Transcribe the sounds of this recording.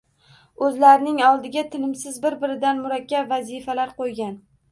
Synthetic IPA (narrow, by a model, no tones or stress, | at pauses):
ɵzlaɾɪnɪŋɒlˠd̪ɪɡʲat̪ʰɪnɪmsɪzbɪɾbɪɾɪd̪anmʊɾakʲːabvazɪfalaɾqojɡʲan